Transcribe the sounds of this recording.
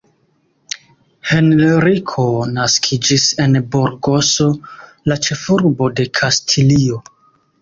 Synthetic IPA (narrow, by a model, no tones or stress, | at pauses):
he̞nɾikʰo̞naskʰid͡ʒise̞nboɾɡo̞so̞ | lat͡ʃe̞fuɾbo̞de̞kʰastʰilio̞